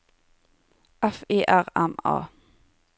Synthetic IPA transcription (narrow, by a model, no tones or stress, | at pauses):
ʔɛfeːʔæʁɛmɑ̰ː